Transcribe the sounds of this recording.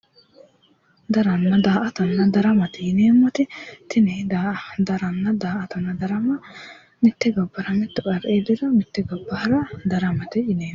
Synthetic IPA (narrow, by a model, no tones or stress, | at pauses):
d̪ɐɾɐnːɐd̪aːʔɐt̪ɐnːɐd̪ɐɾɐmɐt̪ɪjɪneːmːɔt̪ɪt̪ɪnɛd̪ad̪ɐɾɐnːɐd̪aːʔɐt̪ɐnːɐd̪ɐɾɐmɐ | mɪt̪ːɪɡɐbːɐɾɐmɪt̪ːɪkʼɐɾʔeːd̪ɪɾɐmɪt̪ːɪɡɐbːɐhɐɾɐd̪ɐɾɐmɐt̪ɪjɪneː